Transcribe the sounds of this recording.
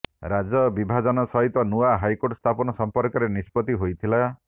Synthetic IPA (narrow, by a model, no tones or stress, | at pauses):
ɾad͡ʒɔbibʱad͡ʒɔnɔsɔɦit̪ɔnuaɦajkoʈst̪ʰapɔnɔsɔmpɔɾkɔɾenispɔt̪iɦojt̪ʰila